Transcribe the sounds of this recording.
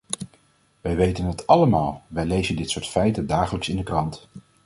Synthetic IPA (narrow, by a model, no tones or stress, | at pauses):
ʋɛjʋejtənɦətɑləmaːlˠʋɛjlejzəndɪtsʊːɹtfɛjtəndaːχələksɪndəkrɑnt